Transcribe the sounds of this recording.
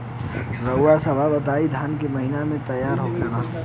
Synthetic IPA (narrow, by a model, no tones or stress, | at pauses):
ɾəʊwasəbʱabət̪aːid̪ʱaːnkeməɦinamẽt̪əjaːɾɦokʰena